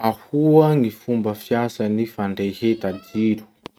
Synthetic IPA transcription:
ahuaŋifumbəfjasanifaɳɖ͡ʐehet̪ad̪iɾu̥

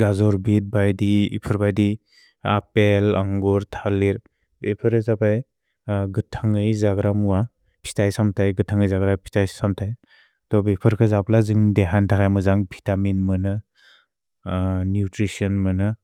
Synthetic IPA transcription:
ɡazɔɾbit̚bajdiḭpʰɯɾbajdi | apelaŋɡuɾtʰaliɾ | bepʰɯɾʰɯzapaj | ɡɯtʰaŋɯjzaɡɾamuwa | pʰi̥tajsamtʰajɡɯtʰaŋɯjzaɡɾapʰi̥tajsamtʰaj | tɔbepʰɯɾkʰɯzaplazɯŋdeɦantʰakʰajmɯzaŋbʱitaminmɯnɯ | njutɾisɔnmɯnɯ

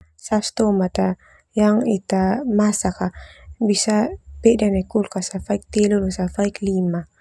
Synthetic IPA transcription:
sast̪omat̪a | jaŋit̪amasakabisapɛʔdanakulkasafaik̚t̪elolusafaiklima

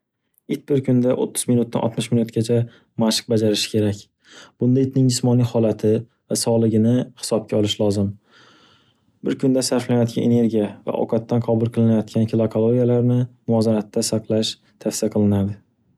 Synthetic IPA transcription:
ɪt̪̚bɪɾkʰʊnd̪aʔo̰t̪ʰːʊ̥zmɪnʊt̪̚ːa̰nʔɒ̰t̪mɪʃmɪnut̪ɡʲat͡ʃʰa | maʃɨ̥q̚bad͡ʒaɾɪʃɪ̥kʲʰe̞ɾakʲ | b̥ʊnd̪aɪt̪nɪŋd͡ʒɪsmɒnihɒlat̪ʰɪ | vasɒlˠɪɡʲɪnɪhɪ̥sɒb̚kʲʰaɒlˠɪʃlˠɒzɪm | bɪɾkʰʊnd̪asaɾflanajɒt̪̚kʲa̰nene̞ɾɡʲijava̰ʔɒ̰wqʰɑt̪ːanqʰɒbʊlˠqʰɨlˠɪnajɒt̪̚kʲankʲʰɪlˠakʰolˠoɡʲijalaɾnɪmʊɒzanat̪ʰːasɑqlˠaʃ | t̪ʰafsijaqʰɨlˠɪnad̪ɪ

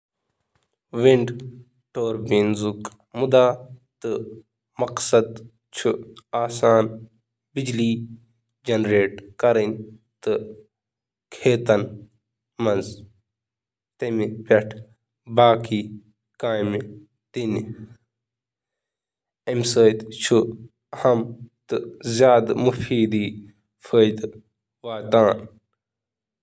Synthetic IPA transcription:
ʋiɳɖ | ʈoːɾbinzuk | mud̪aːt̪ɨ | mɐqsɐd̪ | t͡ʃʰuaːsaːn | bid͡ʒliː | d͡ʒɐnɾeːʈkɐɾin | t̪ɨ | kʰeːt̪ɐn | mɐnz | t̪ɐmipɐʈʰ | baːkiː | kaːjm | t̪in | emsəːjt̪t͡ʃʰu | hɐmt̪ɨzjaːd̪mufiːd̪iː | fʰəːjd̪ | ʋaːt̪aːn

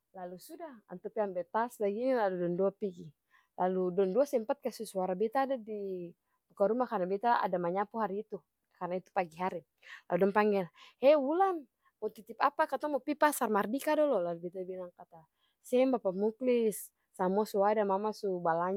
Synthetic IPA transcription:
lalusudaha̰nt̪ɔpianbɛt̪aslaɡinilaludɔnduapiɡi | lʔaludɔnduasɛmpat̪̚kasusuaɾabɛt̪aːdadi | bukaɾumakarnabɛt̪aa̰damaɲapuɦaɾiːt̪u | karnait̪u̥paɡiɦaɾi | la̰ludɔnpaŋɡɛlhɛwulan | mɔt̪it̪ipapakat̪aŋmɔpipasarmardikadɔlɔlalubɛt̪abilaŋkat̪a | sɛmbapamuklisː | amuasuadamamasubalaɲ

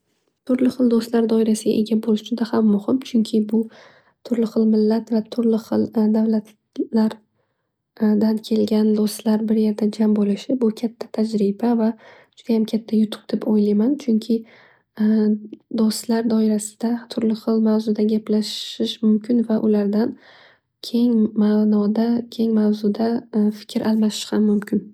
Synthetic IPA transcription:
t̪ʰʊɾlɪχɨlˠd̪ost̪laɾd̪ɒɪɾasɪɡʲa̰ʔe̞ɡʲabolɪʃʃɪd̪ahamːʊhɪmt͡ʃʰʊŋkʲʰɪbʊ | t̪ʰʊɾlɪχɨlˠmɪlːat̪vat̪ʰʊɾlɪχɨlˠd̪avlat̪ | laɾ | d̪ankʲʰe̞lɡʲand̪ost̪laɾbɪɾje̞ɾd̪ad͡ʒambolɪʃɪbʊkʲʰat̪ʰːḁt̪ʰad͡ʒɾɪbava | d͡ʒ̥ʊd̪ahamkʲʰat̪ʰːajʊt̪ʰʊ̥q̚d̪̥epojlajmant͡ʃʰʊŋkʲʰɪ | d̪ost̪laɾd̪ɒɪɾasɪ̥d̪̥at̪ʰʊɾlɪχɨlˠmawzʊd̪aɡʲaplaʃɪʃmʊmkʲɪnvaʔʊlaɾd̪an | kʲʰe̞ŋmanɒd̪akʲʰe̞ŋmawzʊd̪afɪ̥kʲʰɾʔalˠmaʃɪ̥ʃhamːʊmkʲɪn

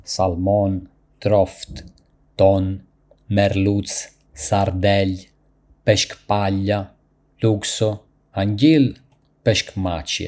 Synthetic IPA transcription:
salmɔn | t̪ɾɔft̪ | t̪ɔn | mɛɾlut͡s | saɾd̪ɛl | pɛʃkpalːa | luksɔ | aɲɟil | pɛʃkmat͡ʃjɛ̰

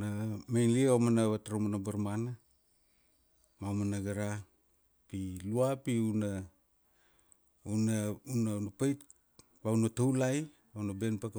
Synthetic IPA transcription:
namejnlieomanaβataɾomanabaɾmana | mamanaɡaɾa | piluapiuna | unaunanapajt | βaunatawlaj | βaunabenpak

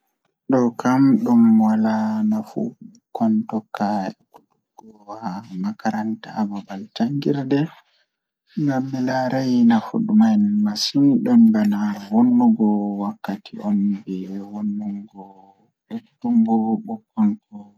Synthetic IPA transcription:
ɗɔkʰamɗumwalanafṵ | kɔntɔkːaɛku̥tuɡ̥ɔwamakaɾantaːbabalt͡ʃaŋɡiɾdɛ | ŋɡamːɛlaɾajnafṵɗumajnmasiniɗɔnbanawonːuɡɔwakːatʰḭɔnbɛwonːuŋɡɔ | ɛtːumbɔɓɔkːɔnkɔ

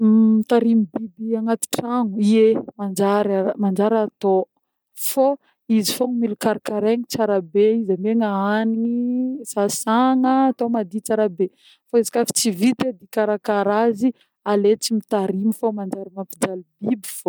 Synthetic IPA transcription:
mit̪aɾimibibiaŋat̪i̥ʈ͡ʂaŋuiemand͡ʒaɾamand͡ʒaɾat̪o | fo | izifoŋmilukaɾakaɾeŋit͡saɾabeizameŋaaniŋisasaŋəːt̪omad̪it͡saɾabe | faezḁkafi̥t͡sivit̪ed̪ikaɾakaɾazi | alet͡simit̪aɾimifomand͡ʒaɾimampid͡ʒalibibi̥fo

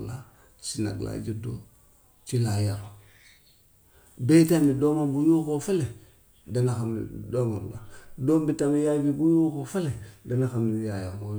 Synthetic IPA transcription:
la | t͡ʃina̰ɡla̰ːd͡ʒido | t͡ʃilajaɾo | betamidomabujukofele | danaxamḭdomaɾ̰la̰doːmbitamijabibujukofeledanaxamijajaɾmo

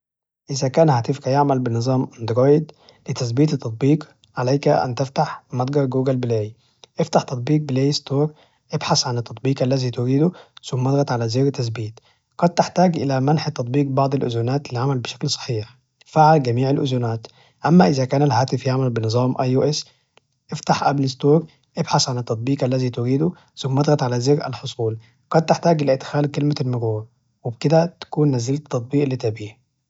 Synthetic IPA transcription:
ʔɪzækæːnhaːt̪ɪfkæjeʕmælbɪnɨzˤɑːmʔɪnd̪ɾɑːjd̪ | lɪt̪æsbiːt̪t̪ːɑt̪̚ˤbiːq | ʕalæjkæʔæ̰nt̪ɪft̪aħmɑt̪ˤɡɑɾˤɡuːɡælbɪleːji | ʔɪft̪aħt̪ɑt̪̚ˤbiːq̚bɪleːjst̪oːɾˤ | ʔɪbħasʕanɪt̪ːɑt̪ˤbiːqʔalːæziːt̪ʊɾiːd̪ʊsʊmːʔɑd̪ˤɣɑt̪ʕalæzeːɾt̪ːæsbiːt̪ | qɑd̪̚t̪ɪħt̪aːɡʔɪlæmænħt̪ːɑt̪ˤbiːq̚bɑʕd̪ˤɪlʔʊ̰zunaːt̪liʕamælbɪʃæ̥klsˤɑ̥ħiːħ | faʕalɡæmiːʕalʔʊzunaːt̪ | ʔamːaʔɪzakaːnalhaːt̪ɪfjaʕmalbɪnɨzˤɑːmʔajuʔes | ʔɪft̪aħʔablɪst̪oːɾ | ʔɪbħasʕanɪt̪ːɑt̪ˤbiːqʔalːæziːt̪ʊɾiːd̪u | sʊmːʔɑd̪ˤɣɑt̪ʕalazeɾa̰lħosˤuːl | qɑd̪̚t̪ɪħt̪aːɡʔɪlæʔɪd̪xaːlkɪlmalmʊɾuːɾ | wɪbkɪd̪æt̪ḁkuːnːazɪlt̪ːɑt̪̚ˤbiːʔlːit̪abiːh

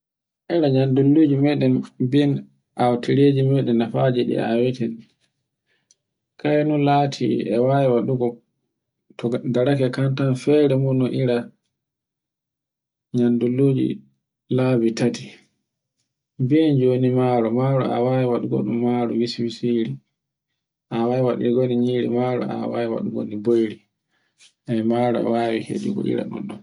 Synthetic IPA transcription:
ʔɛɾaɲandulːud͡ʒimɛɗɛnbiɛn | ʔawtʰiɾed͡ʒimɛɗɛnːafad͡ʒiɗḭa̰wɛtɛn | kajnulaːtʰḭɛ̰wajwaɗuɡɔ | tɔdaɾakɛkantanfɛɾɛmunɔʔiɾa | ɲandulːoːd͡ʒḭ | labitati̥ | biɛnd͡ʒoːnimaɾɔmaɾɔ̰a̰wawiwaɗuɡɔ̰ɗumːaɾuwiswisiɾi | ʔawajiwaɗḭɡoniɲiːɾḭmaɾɔ̰a̰wawiwa̰ɗuɡo̰nibojɾi | ɛmaɾɔ̰a̰waːwihḛd͡ʒuɡɔ̰ʔḭɾa̰ɗṵɗun

